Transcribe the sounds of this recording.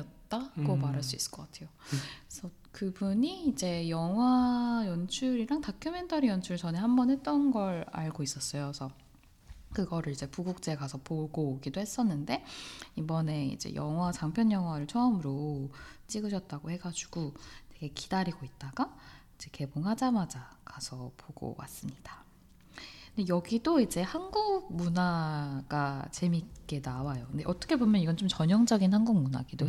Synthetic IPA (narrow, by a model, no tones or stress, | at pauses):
ʌt̚t͈aɡomaɾɦaɭs͈uis͈ɯ̥ɭk͈ʌk͈atʰe̞josʰʌ | kɯbuɲiːd͡ʑe̞jʌŋɦwajʌnt͡ɕʰuɾiɾaŋtakʰjʌme̞ntʰʌɾijʌnt͡ɕʰuɾit͡ɕʌnehambʌnhe̞t̚t͈ʌnɡʌɾa̰ɭɡois͈ʌs͈ʌjosʰʌ | kɯɡʌɾɯɭid͡ʑe̞puɡuk̚t͡ɕ͈eɡasʰʌpoɡoɡidohe̞s͈ʌnːɯnde̞ibʌne̞ḭd͡ʑe̞̰jʌ̰ŋɦwat͡ɕaŋpʰjʌɲjʌŋɦwaɾɯɭt͡ɕʰʌɯmɯɾot͡ɕ͈iɡɯɕʰʌt̚t͈aɡohe̞ɡad͡ʑu̥ɡ̥ute̞ɡe̞kidaɾiɡoit̚t͈aɡaid͡ʑe̞ke̞boŋhad͡ʑamad͡ʑakasʰʌpʰoɡo̰wa̰s͈ɯmɲid̥a | ndejʌɡidoid͡ʑe̞hanɡuk̚munaɡ̥at͡ɕe̞mik͈e̞nawajondeʔʌt͈ʌkʰe̞bomjʌniɡʌnt͡ɕomt͡ɕʌɲʌŋd͡ʑʌɡinhanɡuk̚muna̰ɡido